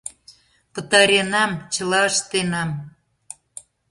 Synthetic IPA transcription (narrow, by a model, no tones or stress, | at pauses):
pə̆t̪ɑɾʲenɑmt͡ɕə̆lɑəʃt̪enɑm